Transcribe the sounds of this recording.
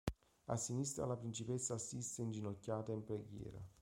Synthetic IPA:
a̰sːinist̪ɾa̰lapɾint͡ʃipɛsːaːsːist̪eind͡ʒinocːaːt̪aimpɾeɡjɛ̰ːɾa̰

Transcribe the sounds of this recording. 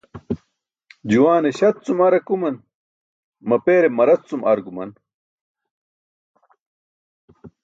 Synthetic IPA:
d͡ʑuwaːneɕɐt̪̚t͡sumɐɾɐkumɐn | mɐpeːɾemɐɾɐt͡st͡sumɐɾɡumɐn

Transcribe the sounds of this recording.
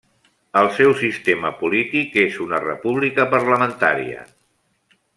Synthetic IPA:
əlˠsɛwsist̪eməpulit̪ikezunərə̰puβlikəpəɾləmənt̪a̰ɾḭə̰

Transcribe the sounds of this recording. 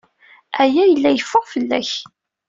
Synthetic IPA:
æjæjəlːæjəfːʊʁfəlːæ̰ç

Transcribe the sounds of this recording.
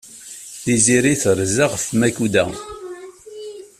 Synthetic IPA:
ðiziɾiθəɾzaʁfmækud̪æ

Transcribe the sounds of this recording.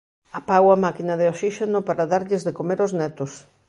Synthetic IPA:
apawɐmakinɐðeosiʃenopaɾaðaɾʎɪzðekomeɾoznɛt̪ʊs

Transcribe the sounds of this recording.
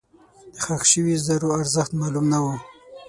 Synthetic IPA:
d̪̥əxaxʃəwizaɾoaɾzəxt̪mɑlumnawu

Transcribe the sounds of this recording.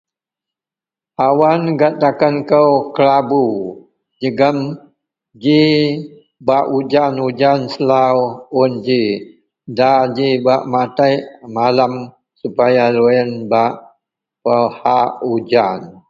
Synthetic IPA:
awanɡatakankəwkəlabu | d͡ʒəɡəm | d͡ʒi | baʔud͡ʒanud͡ʒansəlawʊnd͡ʒi | dad͡ʒibaʔmat̪ajʔmalam | supajaluənbaʔ | pəhaʔud͡ʒan

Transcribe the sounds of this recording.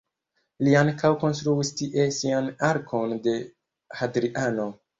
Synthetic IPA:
liaŋkawko̞nstɾuistiʔe̞sianaɾkʰo̞nde̞ | hadɾiʔano̞

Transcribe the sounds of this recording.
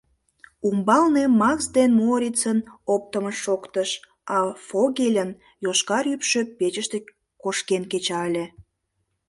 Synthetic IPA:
umbɑlnemɑksd̪enmoɾʲit͡sənop̚t̪əməʃokt̪əʃ | ɑfoɣelʲən | joʃkɑɾypʃø̆pet͡ɕəʃt̪e | koʃkenket͡ɕɑəlʲe

